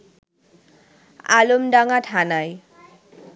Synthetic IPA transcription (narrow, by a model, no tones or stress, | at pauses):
a̰lomɖaŋaʈʰanaj